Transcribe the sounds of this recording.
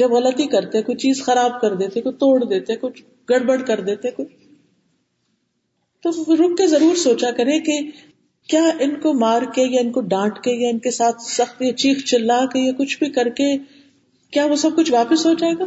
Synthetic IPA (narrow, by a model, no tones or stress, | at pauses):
d͡ʒɐbɣɐlət̪ikɐɾt̪eɦɛ̃kʊt͡ʃt͡ʃiːzxɐɾaːb̚kɐɾd̪eːt̪eɦɛkot͡ʃt̪oːɽd̪eːt̪eɦɛ̃kʊt͡ʃʰ | ɡɐɽbəɽkɐɾd̪eːt̪eɦɛ̃kʊt͡ʃ | t̪oɾʊk̚kezɐɾuːɾsoːt͡ʃakɐɾẽke | kjaːʔɪnkomaːɾkejaɪnkoɖãːʈkejaɪnkesaːt̪ʰsɐxt̪at͡ʃiːxt͡ʃɪlːakejakʊt͡ʃʰbʱikɐɾke | kjaːʋosɐb̚kʊt͡ʃʰʋaːpɪsɦoːd͡ʒaeːɡaː